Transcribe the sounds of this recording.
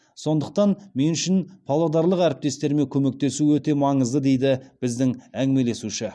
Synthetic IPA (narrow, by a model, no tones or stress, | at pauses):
so̞nd̪əq̚t̪ɑnme̞nʏʃɪnpʰɑlˠɑd̪ɑɾlˠəqæɾɪp̚t̪e̞st̪e̞ɾme̞kʲʰɵme̞k̚t̪e̞suwɵt̪e̞mɑɴəzd̪əd̪e̞jd̪ɪb̥ɪzd̪ɪŋæŋɡʲɪmele̞suʃɪ